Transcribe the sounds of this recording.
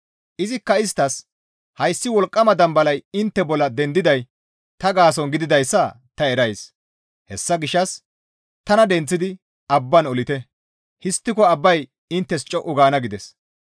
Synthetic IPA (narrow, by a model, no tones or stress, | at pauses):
ʔɪzɪkːɐɪs̬t̪ɐs | hɐjsːɪwɔlkʼːɐmɐd̪ɐmbɐlɐjɪnt̪ːɛbɔlːɐd̪ɛnd̪ɪd̪ɐj | t̪ɐɡaːs̬ɔnɡɪd̪ɪd̪ɐjsːɐ | t̪ɐɛɾɐjs | hɛsːɐɡɪʃːɐs | t̪ɐnɐd̪ɛnt͡sːɪd̪ɪ | ɐbːɐnɔlɪt̪ɛ | hɪst̪ːɪkɔɐbːɐj | ɪnt̪ːɛst͡ʃʼɔʔʊɡaːnɐɡɪd̪ɛs